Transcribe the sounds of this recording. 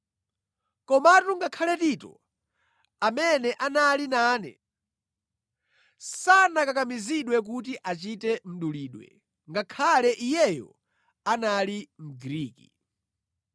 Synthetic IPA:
kɔmatuŋɡakʰalɛtitɔ̰ | amɛnɛʔanalinaːnɛ̰ | sanakakamiziɗwɛk̬ut̬iʔat͡ʃitɛm̩ɗuliːɗwɛ̰ | ŋɡakʰalɛʔijɛjɔ̰ | analim̩ɡɾiːki

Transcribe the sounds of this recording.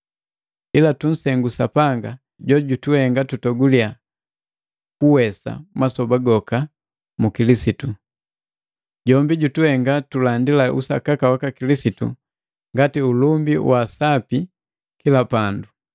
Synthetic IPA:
ilatun̩sɛŋɡusapaŋɡa | ɟɔɟutuhɛŋɡatutɔɡulia | kuwɛsa̰masɔbaɡɔka | mukilisitu | ɟɔmbiɟutuhɛŋɡatulandilaʔṵsakakawakakilisitṵ | ŋɡatiulumbiwʔasapi | kilapandu

